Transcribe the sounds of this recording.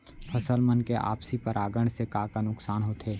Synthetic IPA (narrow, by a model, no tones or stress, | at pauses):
pʰɐsəlmənkeʔa̰ːpsipəɾʔaːɡəɽ̃sekaːkanʊksaːnɦoːt̪ʰeː